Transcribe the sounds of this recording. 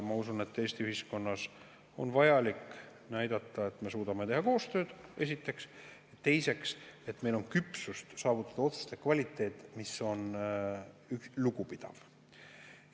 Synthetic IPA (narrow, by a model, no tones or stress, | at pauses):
mɑusunet̪ːe̞ːsʲt̪iyhisko̞nːɑs | o̞̰nvɑjɑlik | næjd̪̥ɑt̪ˑːɑe̞t̪me̞suːd̪̥ɑme̞t̪eɦɑko̞ːst̪ø̞ːd̪̥e̞s̬ʲit̪ːˑe̞ks | ett̪ːe̞jse̞kse̞t̪me̞jlo̞nkypsust̪sɑːvut̪ːˑɑd̪̥ɑo̞t̪su̥st̪ekːvɑlʲit̪ːˑe̞ːt̪ˑːmiso̞n | yluɡ̥upid̪̥ɑ̰v̥